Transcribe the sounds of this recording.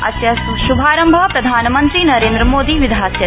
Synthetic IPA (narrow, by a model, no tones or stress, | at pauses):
ɐ̰t̪jɐʃubʱaːɾɐmbʱɐpɾɐd̪ʱaːnɐmɐnt̪ɾinɐɾẽːnd̪ɾɐmoːd̪iːʋid̪ʱaːtjɐ